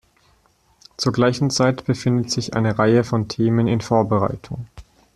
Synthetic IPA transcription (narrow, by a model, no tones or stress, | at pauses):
t͡suːɐɡlaɪçn̩t͡saɪtb̥əfɪndətz̥ɪçʔa̰ɪnəʁaɪəfɔntʰeːmənɪnfoːɐbəʁa̰ɪtʰʊŋ